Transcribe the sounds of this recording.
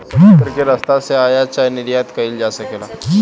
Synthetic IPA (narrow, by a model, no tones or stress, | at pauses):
əɾkeɾɐst̪aseaːjat͡ʃaɦnɪɾjat̪kɐild͡ʒasɐkeːla